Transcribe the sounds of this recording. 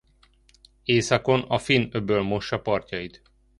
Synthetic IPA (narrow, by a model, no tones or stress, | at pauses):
eːsɒko̞nɒfinøbøːlmo̞ʃːɒpɒrcɒjit̪